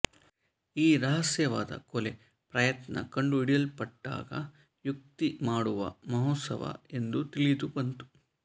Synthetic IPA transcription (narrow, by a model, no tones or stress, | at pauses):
iːɾɐɦɐsjɐʋa̰ːd̪ɐ̰kole | pɾɐjɐt̪nɐ̰kɐɳɖuiɽijɐlpɐʈːa̰ːɡɐ̰ | juk̚t̪imaːɽuʋɐ̰mɐɦot̪sɐ̰ʋɐ̰e̞nd̪ut̪ilid̪ubɐnt̪u̥